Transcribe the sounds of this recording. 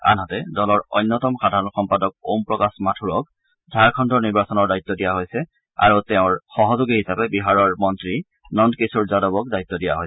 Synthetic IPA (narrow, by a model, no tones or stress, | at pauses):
a̰nɦɔtɛdɔlɔɹɔ̰jnːɔtɔmxadʱaɹɔnxɔmpadɔk̚ompɹɔkasmatʰuɹɔk̚ | zʱaɹkʰɔndʱɔɹniɹbasɔnɔɹdait̪ːɔdijaɦojsɛ | a̰ɹutɛʊ̃ɹxɔɦɔzuɡihisapɛbiɦaɹɔɹmɔntɹi | nɔndkesuɹzadɔbɔk̚dait̪ːɔdija̰ɦojsɛ̥